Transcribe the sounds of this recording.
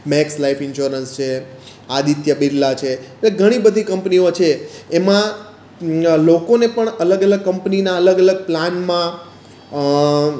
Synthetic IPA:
mɛkslaifɪnʃuɾənst͡ʃʰe | ad̪it̪jəbiɾlat͡ʃʰeleɡʱəɽ̃ibəd̪ʱikəmpniot͡ʃʰeːmã | lokonepəɳələɡələɡ̚kəmpninaələɡələɡ̚planmã

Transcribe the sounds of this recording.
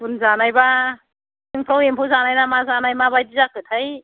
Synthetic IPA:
punzanajba | ɯŋpʰɾɔblempʰɯwzanajnamazanajmabajdizakʰɯtʰaj

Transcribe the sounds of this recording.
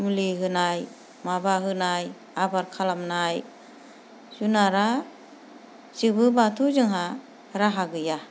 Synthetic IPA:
mɯliɦɯnaj | mabaɦɯnaj | abaɾkʰalamnaj | zunaɾa | z̥ɯbɯbatʰuzɯŋɦa | ɾaɦaɡɯja

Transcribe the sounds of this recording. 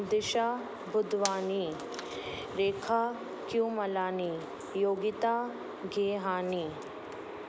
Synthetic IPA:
d̪ɪʃa | bʊd̪ʋaːni | ɾeːkʰaː | kjũmɐlaːni | joːɡit̪aː | ɡʱeːɦaːni

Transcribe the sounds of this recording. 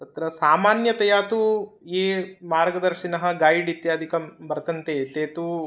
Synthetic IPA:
t̪ɐt̪ɾɐsaːmaːnjɐt̪ɐjaːt̪ueːmaːɾɡɐd̪ɐɾʂinɐɦɐ̆ɡaːjiɖit̪jaːd̪ʱikɐmbɐɾɐt̪ɐnt̪et̪eːt̪u

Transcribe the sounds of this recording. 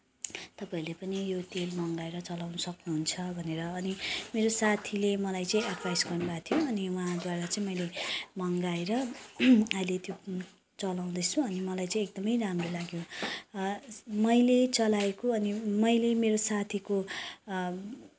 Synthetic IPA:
t̪ʌpaĩlepʌnijot̪elmʌŋɡaeɾʌt͡sʌlawnʌsʌknuɦunt͡sʰʌbʱʌneɾʌːnimeɾosat̪ʰilemʌlajt͡sʌĩaɖpʰajsɡʌrnubat̪ʰijoʌniwuɦãd̪waɾat͡sãĩmʌjlemʌŋɡaeɾʌ | ʌjlet̪jo | t͡sʌlaw̃d̪ʌt͡sʰũʌnimʌlajt͡sʌĩek̚d̪ʌmʌjɾamrolaɡjo | mʌjlet͡sʌlaekoʌnimʌjlemeɾosat̪ʰiko

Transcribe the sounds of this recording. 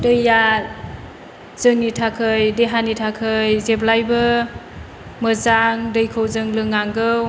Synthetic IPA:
dɯjːa | z̥ɯŋnitʰakʰɯjdeɦanitʰakʰɯjzeblajbɯ | mɯzaŋdɯjkʰowzɯŋlɯŋːaŋɡɯw

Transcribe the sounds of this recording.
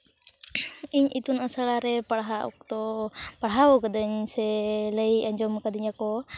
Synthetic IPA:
iɲʔit̪unasaɽaɾɛpaɽɦaʔɔ̰kt̪ɔpaɽɦaɔkad̪əɲsɛləjaɲd͡ʒɔmkad̪iɲakɔ

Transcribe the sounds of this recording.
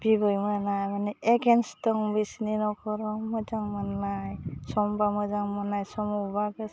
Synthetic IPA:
b̥ibɯjmɯnajmanɛeɡɛnstɔŋbisninɔkʰɔɾɔmɔjzaŋmanːajsɔmbamɔjzaŋmɔnajsɔmubaɡɯ

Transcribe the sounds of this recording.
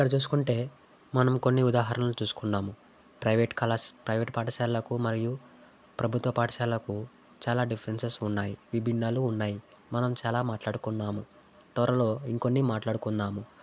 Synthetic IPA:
kɐɽɐt͡ʃuːs̬u̥kuɳʈe̞ː | mɐnɐmko̞nːiud̪aːɦɐɾɐnlut͡ʃuːsu̥kunːaːmu | pɾɐjʋeʈkɐlaspɾɐjʋeːʈpaːʈʰɐʃaːlɐkumɐɾiju | pɾɐbʱut̪ʋɐpaːʈɐʃaːlɐku | t͡ʃaːlaːɖipʰɐɾensesunːaːjiʋibʱinːaːluːnːaːji | mɐnɐmt͡ʃaːlaːmaːʈlaːɽukunːaːmu | t̪ʋɐɾɐlo̞ːiŋko̞nːimaːʈlaːɽukunːdaːmu

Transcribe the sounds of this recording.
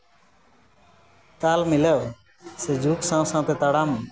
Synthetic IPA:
t̪aːlmɪlew | sed͡ʒʱuːksãːwsãːt̪ʰeːt̪əɽaːm

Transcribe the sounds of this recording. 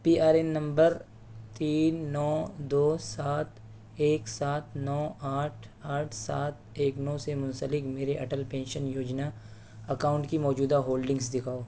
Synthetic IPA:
piːaːɾenːɐ̃mbəɾ | t̪iːnːɔːd̪oːsaːt̪ʰ | eːksaːt̪ʰnɔːaːʈʰaːʈʰsa̰ːt̪̚ʰeːknɔ̃ːsemʊ̃nsəlɪkmeːɾeʔɐʈəlpẽːnʃənjoːd͡ʒna | ɐkaːʊ̃ɳʈkimɔːd͡ʒuːd̪aɦoːlɖɪ̃ŋɡsd̪ɪkʰaːoː

